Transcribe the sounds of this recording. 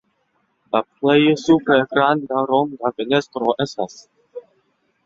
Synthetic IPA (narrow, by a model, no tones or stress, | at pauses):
laplejosupeɾɡɾand̪aɾomd̪afenest̪ɾoʔestas